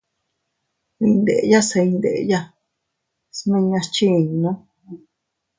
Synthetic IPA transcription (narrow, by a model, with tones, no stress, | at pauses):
i˧nd̪ḛ˨ʔja˦se˧ĩ˧nd̪e˨ʔja˦ | snẽ˧ɲã˧t͡ʃi˦˨ɲ˧nã˦